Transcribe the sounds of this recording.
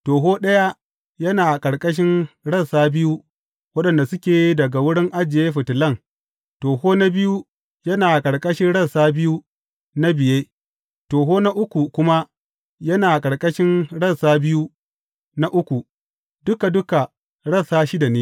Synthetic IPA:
toː˨ɦoː˦ɗɐ˦ja˦ | jɐ˦naː˨kʼɐ˨ɽkʼɐ˦ʃ̬ɪ˦nɽɐ˦˨nsaː˦bɪ˦ju˦ | wɐ˦ɗɐ˨nda˨sʊ˦kʲeː˨dɐ˨ɡa˨wʊ˦ɽɪ˦ŋʔa˦d͡ʒɪ˨jeː˦ɸɪ˨tɪ˨lɐ˦˨ŋ | toː˨hoː˦na˦bɪ˦ju˦ | jɐ˦naː˨kʼɐ˨ɽkʼɐ˦ʃɪ˦nɽɐ˦nsaː˦bɪ˦ju˦ | na˦bɪ˨jeː˦ | toː˨ɦoː˦na˦ʔʊ˦kʷu˨kʷʊ˦ma˦ | jɐ˦naː˨kʼɐ˨ɽkʼɐ˦ʃɪ˦nɽɐ˦˨nsaː˦bɪ˦ju˦ | na˦ʔʊ˦kʷu˨ | dʊ˦ka˨dʊ˦ka˨ | ɽɐ˦˨saː˦ʃɪ˦da˨neː˦

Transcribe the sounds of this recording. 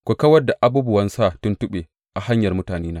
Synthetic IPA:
kʷu˨kɐ˦wɐ˦rdːa˨ʔa˨˦buː˦bʊ˦wɐ˦nsa˦˨tʊ˦ntʊ˦ɓeː˨ | ʔa˨ha˦ɲjɐ˨rmʊ˦taː˨neː˦naː˦

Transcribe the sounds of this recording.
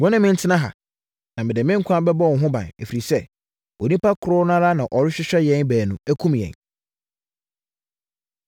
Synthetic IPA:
wɔ̃˦nʊ̃˦mɪ̃˦n̩˦tʰɪ˦nã˦ɦa̰˨ | nã˨mɪ̃˨dɪ˨mɪ̃˦ŋ̩˦kʷʰã˦bɛ˦bɔ˦˨ɦʊ̃˦bã̰˨nḛ˨fi˨ɾi˨sɛ˦ | o˨nĩ˦pa˦kʰʊ˨ɾʊ˦nã˦ɾa˦nã˨ʔɔ˨ɾɪ˦ɕᶣɪ˦ɕᶣɛ˦jɛ̃˦nbæː˨nũ˨æ˦kʰũ˦mjɛ̰̃˨n

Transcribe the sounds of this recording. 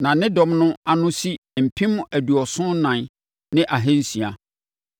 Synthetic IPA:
nã˨nɪ̃˦dɔ̃˨mnʊ̃˦a˨nʊ̃˦si˦˨m̩˨pʰĩ˦m˦ʔæ˨du˨ɔ˨sʊ̃˦nã˨n | nɪ̃˦ʔa˨ɦẽ˦n̩˦si˨a˨

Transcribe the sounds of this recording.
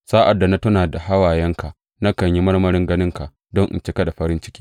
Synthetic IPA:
saː˦ʔa˨dːa˨na˦tʊ˦naː˨da˨ɦa˦waː˨jɛ˦ŋka˨ | na˦kɐ˨ɲji˦mɐ˦ɽmɐ˦ɾɪ˦ŋɡɐ˦nɪ˦ŋka˨ | dɔ˦ŋʔɪ̰˨nt͡ʃɪ˦kɐ˦ɗa˨ɸɐ˦ɾɪ˦nt͡ʃɪ̥˦kʲiː˦

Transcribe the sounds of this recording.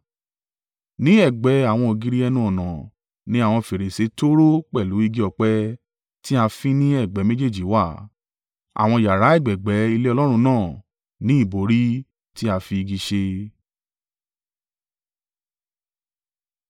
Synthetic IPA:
nĩ˨˦ɛ˦˨ɡ͡bɛ˨˦a˨w̃ɔ̃˧o˨ɡi˧ɾi˦ɛ˧nũ˧ɔ˨nã˨ | nĩ˨˦a˦˨w̃ɔ̃˧fe˨ɾe˨se˨˦to˦ɾo˦k͡pɛ˦˨lu˨˦i˦˧ɡi˦ɔ˧k͡pɛ˦ | ti˦a˧fĩ˦nĩ˦ɛ˦˨ɡ͡bɛ˨˦mẽ˦d͡ʒe˦˨d͡ʒi˨˦wa˦˨ | a̰˨w̃ɔ̃˧ja˨ɾa˨˦ɛ˦˨ɡ͡bɛ˨ɡ͡bɛ˨˦i˧le˦ɔ˧lɔ˦ɾ̃ũ˧nãː˦˨ | nĩ˦i˦˨bo˨˦ɾi˦ | ti˦a˧fi˧i˧ɡi˧˦ʃe˧

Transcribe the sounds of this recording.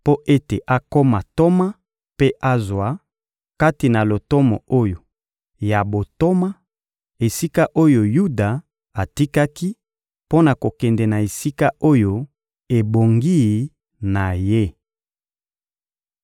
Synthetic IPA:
po˦ʔe˦te˨ʔa˨ko˦ma˨to˦ma˦ | pe˦ʔa˦zwa˨˦ | ka˦ti˨na˨lo˨to˦mɔ̰˨o˦jo˨ | ja˨bo˨to˦ma˦ | e˨si˦ka˦ʔo˦jo˨ju˦da˨ | a˨ti˦ka˦ki˦ | po˦na˨ko˨kɛ˨ndɛ˨na˨e˨si˦ka˦ʔo˦jo˦ | e˨bo˨ŋɡi˦˨ | na˨je˦

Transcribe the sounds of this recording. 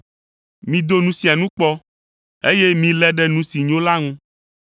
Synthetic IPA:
mĩ˨d̪o˦nũ˦si˨a˨nũ˦k͡pɔ˦ | e˦je˦mĩ˨lɛ˨˦ɖɛ˦nũ˦si˨ɲõ˦la˦ŋũ˦

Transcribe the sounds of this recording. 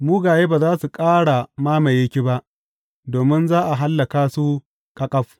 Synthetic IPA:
muː˦ɡaː˨jeː˦baː˨zaː˦su˨kʼaː˦ɽa˨maː˦ma˨je˦kʲi˦ba˦ʔ | doː˨mɪ˦nzaː˦ʔa˨ɦa˦lːɐ˨kaː˦su˦ | kʼɐ˦kʼɐ˦ɸ

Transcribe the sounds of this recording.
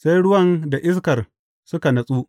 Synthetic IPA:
sa˦jɽʊ˦wɐ˦nda˨ʔɪ˦s̬kɐ˨r | sʊ˦ka˨nɐ˨sʼuː˦

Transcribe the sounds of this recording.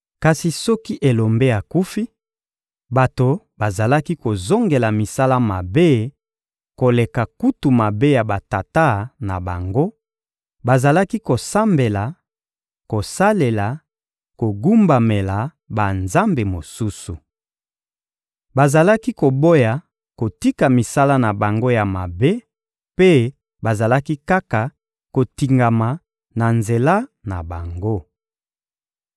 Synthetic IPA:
ka˨si˨sɔ˦ki˦ʔe˨lo˨mbe˦ja˨ku˦fi˦ | ba˨to˨ | ba˨za˨la˦ki˦ko˨zo˦ŋɡe˨la˨mi˨sa˦la˦ma̰˨be˦ | ko˨le˨ka˨ku˦tu˨ma˨be˦ja˨ba˨ta˨ta˦na̰˨ba̰˨ŋɡo˦ | ba˨za˨la˦ki˦ko˨sa˦mbe˨la˨ | ko˨sa˦le˨la˨ | ko˨ɡu˦mba˨me˨la˨ | ba˨nza˦mbe˨mo˨su˦su˨ | ba˨za˨la˦ki˦ko˨bo˦ja˨ | ko˨ti˦ka˨mi˨sa˦la˦na˨ba˨ŋɡo˦ja˨ma˨be˦ | pe˦ | ba˨za˨la˦ki˦ka˦ka˨ | ko˨ti˨ŋɡa˨ma˨ | na˨nze˨la˦na̰˨ba˨ŋɡo˦

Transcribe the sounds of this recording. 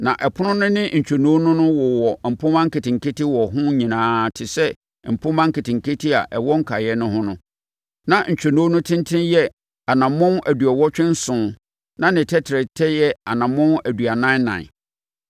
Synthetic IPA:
nã˨ʔɛ˨pʰʊ˦nʊ̃˦nʊ̃˦nɪ̃˦ɲ̩˨t͡ɕᶣɛ˨nũ˦nʊ̃˦nʊ̃˦wɔ˨wɔ˨m̩˨pʰʊ̃˦mã˦ŋ̩˦kɪ˨tʰɪ̃˨ŋ̩˨kʰe˦tʰɪ˦wɔ˨ɦʊ̃˦ɲĩ˨nãː˨˦˨tʰɪ˨sɛ˦ | m̩˨pʰʊ̃˦mã˦ŋ̩˦kɪ˨tʰɪ̃˨ŋ̩˨kʰe˦tʰi˦a˨ʔɛ˨wɔ˦ŋ̩˦kʰa˨jɛ˦nʊ̃˦hʊ̃˦nʊ̃˦ | nã˨ɲ̩˨t͡ɕᶣɛ˨nũ˦nʊ̃˦tʰɪ̃˦ntʰɪ̃˦njɛ˦ | a˨nã˨mːʊ̃˦næ˨du˨ɛ˨wɔ˦t͡ɕᶣɪ̃˦n̩˦sʊ̃˨n | nã˦nɪ̃˨tʰɛ˦tʰɪ˨ɾɛ˨tʰɛ˦jɛ˦a˨nã˨mːʊ̃˦næ˨dɥa˨nã˦nã̰˨

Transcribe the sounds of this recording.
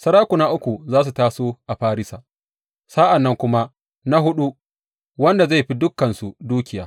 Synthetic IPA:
sɐ˦ɽaː˦kʷʊ˨na˦ʔʊ˦kʷu˨zaː˦s̬u˨taː˦soː˦ʔa˨ɸaː˦ɾɪ˦sa˨ | sa˦ʔa˨nːɐ˦ŋkʷʊ˦ma˦ | na˦ɦʊ˦ɗu˦ | wɐ˦nda˨za˦˨ɸi˦dʊ˦kːɐ˨nsu˨duː˦kʲɪ˨jaː˨˦

